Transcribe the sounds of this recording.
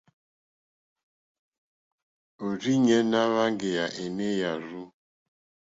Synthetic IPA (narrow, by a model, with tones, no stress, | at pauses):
o˨ɾi˦ɲe˦na˦βa˦ŋ˦ɡe˨ja˨ʔe˨me˦ja˨ɾu˦